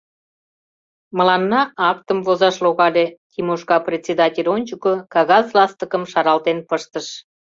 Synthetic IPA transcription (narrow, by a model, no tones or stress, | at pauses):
məlɑnːɑɑk̚t̪əmvozɑʃloɣɑlʲetʲimoʃkɑprʲet͡sʲed̪ɑtʲelʲonʲt͡ɕukokɑɣɑzlɑst̪əkəmʃɑɾɑlt̪enpəʃt̪əʃ